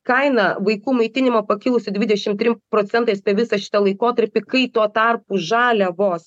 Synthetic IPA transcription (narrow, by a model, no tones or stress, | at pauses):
kɐɪnɐʋɐɪkuːmɐɪt̪ʲɪnʲɪmopɐkʲɪlˠʊsʲɪd̪ʲʋʲɪd̪ʲɛʃʲɪmt̪ʲɾʲɪmpɾoːt̪sʲɛnt̪ɐɪspʲɛʋʲɪsɐʃʲɪ̥t̪ɐlˠɐɪkoːt̪ɐɾʲpʲɪkɐɪt̪oːt̪ɐrpuʒɑːlʲɛʋoːs